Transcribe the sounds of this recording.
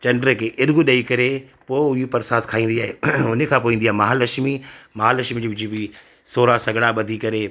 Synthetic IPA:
t͡ɕɐɳɖəɾəkʰeʔɪɾɡuɗɐikɐɾe | poːɪʊɦipɐɾsaːt̪ʰkʰaːĩːn̆d̪iaːɦeʊnekʰãːpoːʋĩːn̆diaːemaɦalɐʃmimɐɦalɐʃmid͡ʑiːʋɪd͡ʑibi | soːɾasɐɡʱɽaɓɐd̪ʱikɐɾeː

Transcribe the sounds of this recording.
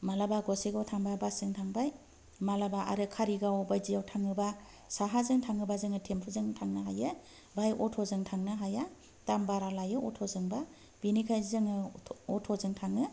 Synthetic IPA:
malabaɡɔseɡɔtʰaŋbabasɯŋtʰaŋbaj | malabaʔa̰ɾɯkʰaɾiɡawbajzijawtʰaŋɯba | saɦazɯŋtʰaŋɯbazɯŋɯtʰemtʰuzɯŋtʰaŋnaɦajɯ | bajʔɔtʰɔzɯŋtʰaŋnɯɦaja | tambaɾalajɯɔtʰɔzɯŋba | b̥inikʰajzɯŋɯɔtʰɔzɯŋtʰaŋɯ

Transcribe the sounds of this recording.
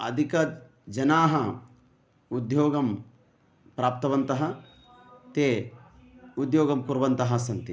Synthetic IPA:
ɐ̰d̪ʱikɐ | d͡ʒɐnaːɦɐ | ud̪joːɡɐm | pɾaːp̚t̪ɐʋɐnt̪ɐɦɐ | t̪eː | ud̪joːɡɐmkuɾʋɐnt̪ɐɦɐsɐnt̪i

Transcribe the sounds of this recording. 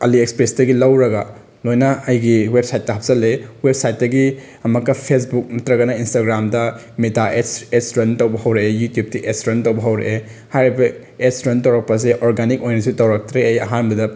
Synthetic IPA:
ɐliekspɾesdɐɡilɐwɾɐɡɐ | lojnɐɐjɡiwep̚sajtːɐɦɐp̚zɐlːewep̚sajt̚dɐɡi | ɐmɐkːɐpʰes̬buk̚mɐtɾɐɡɐnɐinstaɡɾamdɐ | metaʔeseksɾentɐwbɐɦɐwɾeejutjup̚tiʔeksɾentɐwbɐɦɐwɾḛʔe | hajɾibɐ | eksɾentɐwɾɐk̚pɐs̬eʔoɾɡanik̚ojnɐs̬itɐwɾɐk̚tɾeɐjɐ̰ɦanbɐdɐ

